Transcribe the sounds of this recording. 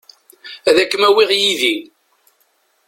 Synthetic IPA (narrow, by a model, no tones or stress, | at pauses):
æðækːəmæwiʁjiði